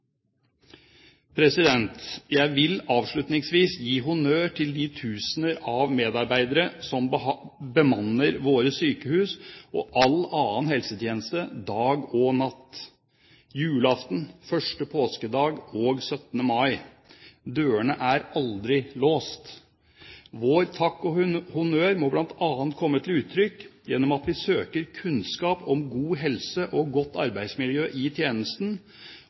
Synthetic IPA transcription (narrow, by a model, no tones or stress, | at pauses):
pʰɾɛsɪd̪ɛnt̪jæɪʋɪlɑːʋʂɭʉt̪nɪŋsʋiːsjiːɦʊnøːʈʰɪld̪ɪt̪ʰʉːsnəɾɑʋmeːd̪ɑɾbæɪd̪əɾəsɔmbəmɑnːəɾʋoːɾəsyːkəhʉːsɔ̰ʔɑlɑːənhɛlsət̪ʰjeːnəst̪əd̪ɑːɡɔnɑt̪ː | jʉːlɑft̪n̩fœʂʈəpʰoːskəd̪ɑːɡoːɡsœt̪nəmɑɪ | d̪øːəɳəʔæɾɑld̪ɾɪloːst̪ | ʋoːɾt̪ʰɑkːɔhʊnøːɾmɔblɑnt̪ɑːənt̪̚kʰɔmːət̪ʰɪlʉːt̪ʰːɾʏkːjɛnːɔmɑt̪ʋɪsøːkəɾkʰʉnskɑːpɔmɡuːɦɛlsəʔɔɡɔt̪ːɑɾbæɪsmɪljøːʔɪt̪ʰjeːnəst̪n